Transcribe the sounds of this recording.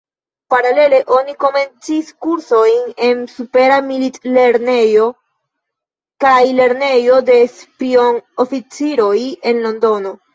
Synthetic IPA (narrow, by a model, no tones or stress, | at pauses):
paɾale̞le̞ʔo̞niko̞me̞nt͡siskuɾso̞jne̞nsupe̞ɾamilitle̞ɾne̞jo̞ | kajle̞ɾne̞jo̞de̞spio̞nofit͡siɾo̞je̞nlo̞ndo̞no̞